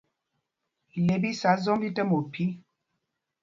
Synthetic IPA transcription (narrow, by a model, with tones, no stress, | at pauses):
le˨˦bi˦sa˨˦zɔ˦mbi˦tə˦mo˨pʰi˦